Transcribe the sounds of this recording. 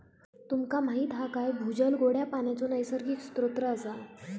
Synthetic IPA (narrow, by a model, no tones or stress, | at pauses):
t̪umkamaɦiːt̪ɦakajbʱud͡ʑəlɡoɽjapanjat͡sonajsəɾkiːksu̥t̪ɾot̪ɾəəsa